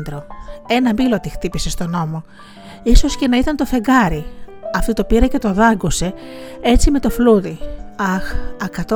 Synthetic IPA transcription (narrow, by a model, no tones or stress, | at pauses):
d̪ɾo̞e̞nɐmbilot̪ixt̪ipise̞st̪o̞no̞mo̞ | iso̞scenɐit̪ɐnt̪o̞fe̞ɡɐɾiɐft̪ot̪opiɾɐce̞t̪o̞ðɐŋɡose̞e̞t͡sime̞t̪o̞fluðiɐxɐkɐt̪o